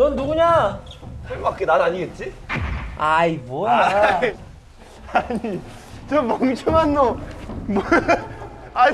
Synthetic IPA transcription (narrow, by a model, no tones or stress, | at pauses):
nʌnduɡuɲa | sʰeɭmak͈enaɾaɲiɡet̚t͡ɕ͈i | ajibo | aɲi | t͡ɕʌmʌŋt͡ɕʰoŋanːomo | a